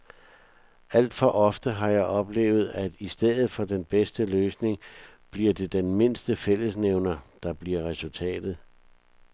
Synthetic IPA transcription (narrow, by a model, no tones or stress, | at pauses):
æl̰d̥fɒ̽ʔɒ̽fd̥əɦɑ̈jɑ̈ɪʔɒ̽b̥le̝̰ːʊð̞̩ˠæd̥isd̥eð̰ˠð̩ˠfɒ̽d̥enb̥esd̥əløːsne̝ŋb̥liɐd̥e̝d̥enme̝n̰sd̥əfel̰əsneʊnɐd̥ɑ̈b̥liɐʁɛsult͡sʰɛ̰ːd̥ð̞̩ˠ